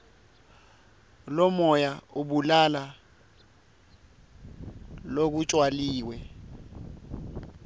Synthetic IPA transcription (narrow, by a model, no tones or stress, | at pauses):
lɔmɔjauɓulala | lok̬ut͡ʃʼwaliːwɛ